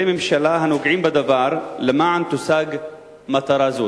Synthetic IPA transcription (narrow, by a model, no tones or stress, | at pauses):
emɪmʃalaːɦanuɡʕiːmbɪd̪avɑːɾˤlɪmaʕant̪ʊsaːɡ | mat̪ɑɾˤɑːzuː